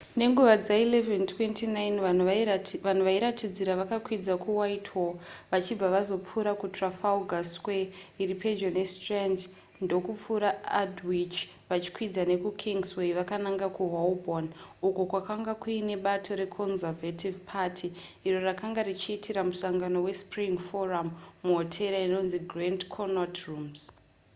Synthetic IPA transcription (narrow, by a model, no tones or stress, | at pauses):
ne̞ŋɡuʋad͡zaileventʰwentʰinajnanʋan̤uʋaiɾatid͡ziɾaʋakakwid͡zakuwaitʰwoʋat͡ʃib͡vaʋazo̞p͡fuɾakutrafauɡʱasweiriped͡ʒonestrend | ndo̞kup͡fuɾaadwit͡ʃ | ʋat͡ʃi̥kwid͡zane̞kukʰiŋɡsweʋakanaŋɡakuɦolbonuko̞kwakaŋɡakuine̞ɓatʰo̞ɾe̞kʰonzavatʰivpʰatʰiː | ro̞rakaŋɡarit͡ʃiːtʰiɾamusaŋɡano̞we̞spriŋfo̞ramːuɦotʰe̞ɾaino̞nziɡrandkʰonatrumz̥